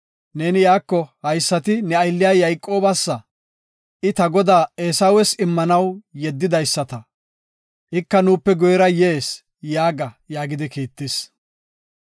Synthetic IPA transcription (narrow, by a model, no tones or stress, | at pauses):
ne̞ːnɪjaːkːɔhɐjsːɐt̪ɪnɛɐjlːɪjaːjɐjkʼːo̞ːbɐsːɐ | ʔɪt̪ɐɡɔd̪aːeːsɐwɛsɪmːɐnɐwjɛd̪ːɪd̪ɐjsːɐt̪ɐ | ʔɪkːɐnuːpːɛɡɔjɛɾɐjeːs | jaːɡɐ | jaːɡɪd̪ɪkiːt̪ːɪs